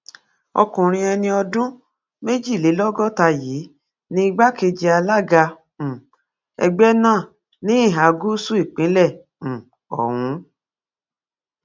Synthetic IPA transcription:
ɔ̰˧kũ˨ɾ̃ĩ˧ɛ˧nĩ˧ɔ˧dũ˦ | me˦d͡ʒi˦˨le˨˦lɔ˦ɡɔ˦˨ta˧jiː˨˦ | nĩ˦i˦˧ɡ͡ba˦ke˧d͡ʒi˧a˧la˦ɡã˧˨ | ɛ̰˧ɡ͡bɛ˦nãː˦˨ | nĩ˨˦˨ɦa˨ɡu˦su˦i˦˨k͡pĩ˨˦lɛ̃˦˨ | ɔ̰˨w̃ũ˨˦

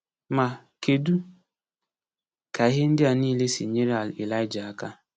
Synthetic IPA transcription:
ma˨ | ke˨du˦ | ka˨e˦ɦe˦n̩˦dɪ˦a˨niː˦le˦si˨ɲe˦ɾa˨li˨la˦ɪ˦d͡ʒa˨ka˦

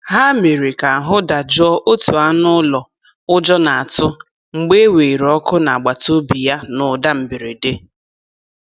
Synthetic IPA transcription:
ɦa˦me˨ɾi˨ka˨a˨ɦʊ˦da˨d͡ʒʊ˦ɔ˦ʔo˦tu˨a˦nʊ˦lɔ˨ | ʊ˦d͡ʒɔ˦na˨a˨tʊ˦ | ŋ͡m̩˨ɡ͡be˦we˨ɾɔ˦kʊ˦na˨a˨ɡ͡ba˨to˦bi˨ja˦nʊ˨da˦m̩˨bɪ˨ɾi˨de˦

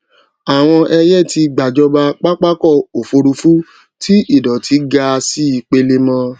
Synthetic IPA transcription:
a˨w̃ɔ̃˧ʔɛ˧jɛ˦˨ti˧ɡ͡ba˨d͡ʒɔ˧ba˧k͡pa˦k͡pa˦kɔ˦˨o˨fo˧ɾu˧fu˦ | tʰi˦i˦˨dɔ˨tʰi˨˦ɡa˧si˦i˨˧k͡pe˧le˦mɔ̃˧

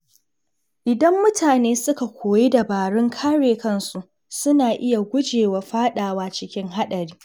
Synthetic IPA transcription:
ʔɪ˨dɐ˦mːʊ˦tʰaː˨neː˦sʊ˦ka˨kʷoː˨je˦da˨baː˨ɽɪ˦ŋkʰaː˦ɽeː˨kɐ˦nsu˨ʔ | sʊ˦naː˨ʔɪ˦ja˨ɡʷʊ˦d͡ʒeː˨wa˨ɸaː˦ɗaː˨waː˦t͡ʃɪ˦kʲɪ˦ŋɦa˦ɗɐ˨ɾiː˦

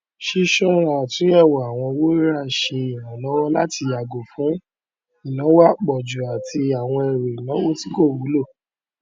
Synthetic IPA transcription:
ʃi˧ʃɔ˦ɾã˨tĩ˨˦ɛ˦˨wɔ˨a˨w̃ɔ̃˧wo˦ɾa˦˨ʃe˧i˨ɾã˨lɔ˨˦wɔ˦la˦ti˧ja˨ɡo˨fũ˨˦ | i˨nã˨˦wa˦k͡pɔ˨d͡ʒu˨a˨ti˧a˨w̃ɔ̃˧ɛ˨ɾe˨i˨nã˨˦wo˦ti˦ko˦˨wu˨˦lo˦˨

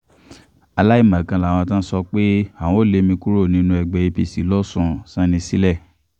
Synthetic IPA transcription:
a˧la˦i˦˨mã˨kã˧la˨w̃ɔ̃˧tã˦sɔ˧k͡pe˦ã˨ɔ̃˨o˦le˧mĩ˧ku˦ɾo˦˨nĩ˨˦nũ˧ɛ˨ɡ͡bɛ˨e˧pi˧˨si˨˦lɔ˦˨sũ˨˦sã˦nĩ˧si˦lɛ˦˨

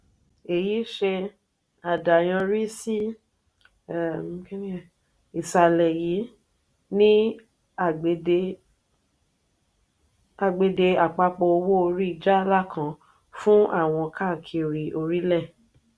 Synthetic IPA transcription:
e˨ji˨˦ʃe˧ | a˨da˨j̃ã˧ɾi˦si˦˨ | ĩ˦kɛ˦nĩ˦˨ | i˨sa˨lɛ˨ji˨˦ | nĩ˦ | a˨ɡ͡be˨de˧ | a˨ɡ͡be˧de˧a˨k͡pa˧k͡pɔ˧o˧wo˦o˧ɾi˦i˧d͡ʒa˦˧la˦˨kʰã˦ | fũ˦a˦˨w̃ɔ̃˧ka˦˨kʰi˧˨ɾi˨ʔo˧ɾi˦lɛ˦˨

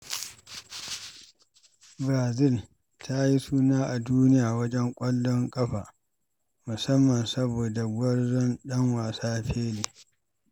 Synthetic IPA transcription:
bɾaː˨zɪ˦˨l | tʰa˦ji˦suː˦naː˦ʔa˨duː˦nɪ˦jaː˨wɐ˦d͡ʒɛ˦ŋkʷʼɐ˦lːɔ˦ŋkʼɐ˦ɸaː˨ | mʊ˨sɐ˦mːɐ˨nsɐ˦boː˨da˨ɡʷɔ˦rzɔ˦nɗɐ˦ŋwaː˨saː˦ɸʰeː˦leː˨

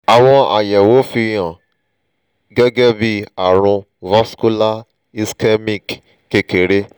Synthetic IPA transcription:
a˨w̃ɔ̃˧a̰˨jɛ˨wo˨˦fi˧j̃ã˨ | ɡɛ˦ɡɛ˦bi˦a˨ɾ̃ũ˧ | va˦sku˦la˦ | i˧skɛ˦mĩ˦˨k | ke˨ke˨˦ɾe˦

